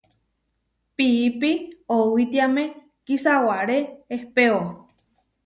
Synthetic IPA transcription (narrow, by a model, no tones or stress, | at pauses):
piːpiowit̪iamẽ | kisawaɾeːhpeo